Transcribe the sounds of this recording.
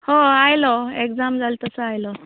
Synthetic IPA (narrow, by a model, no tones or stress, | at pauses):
hoajlɔekd͡zamd͡zalt̪əsəajlɔ